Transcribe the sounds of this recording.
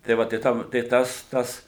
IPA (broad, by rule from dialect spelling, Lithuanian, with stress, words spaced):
tɐɪ ˈʋɐ tɐɪ ˈtɐm tɐɪ ˈtɐs ˈtɐs